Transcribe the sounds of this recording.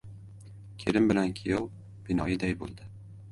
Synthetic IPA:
kʲʰeɾɪmbɪlankʲʰɪjɒw | b̥ɪnɒjɪd̪ajbo̰lˠd̪ɪ

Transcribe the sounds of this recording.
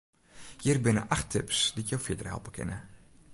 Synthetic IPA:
jirbɪnə̰ʔaxtʰɪpsdijowfjɪdərhɛ̰lˠpəkʰɪ̰nə

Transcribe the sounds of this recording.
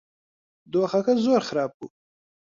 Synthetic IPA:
d̪oːxakazoːɾxaɾɑːb̚ku

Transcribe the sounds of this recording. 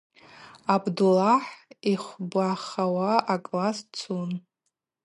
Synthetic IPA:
abdulaħiχʷbʷaχawaakʼlast͡sʰun

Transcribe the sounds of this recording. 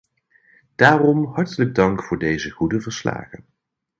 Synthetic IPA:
d̥aːrɔmɦɑɹtələɡ̚dɑŋkfʊːɹdejzəχudəvəɹsla̰ːχən

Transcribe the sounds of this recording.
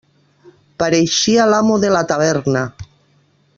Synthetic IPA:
paɾeʃialamoðelat̪aβ̞eɾna

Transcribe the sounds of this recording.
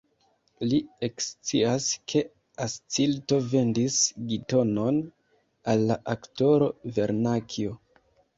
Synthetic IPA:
liekst͡siaskʰe̞ | ast͡silto̞ve̞ndisɡito̞no̞n | alːaʔakto̞ɾo̞ve̞ɾnakʰio

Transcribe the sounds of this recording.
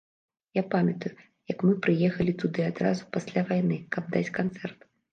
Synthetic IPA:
japamʲɐt̪uju | jɐkmɨpɾɨjɛxɐlʲit̪ud̪ɨad̪ɾazupasʲlʲavajnɨkɐb̚d̪at͡sʲkant̪sɛrt̪

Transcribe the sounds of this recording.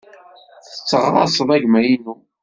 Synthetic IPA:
θət͡sːəʁɾˤɑ̰sˤəðˤæʝmæjinu

